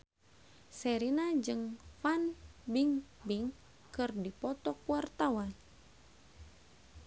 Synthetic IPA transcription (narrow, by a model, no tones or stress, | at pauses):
sɛɾinad͡ʒɨŋfanbiŋ | biŋ | kɨrdipɔt̪ɔkuwart̪awan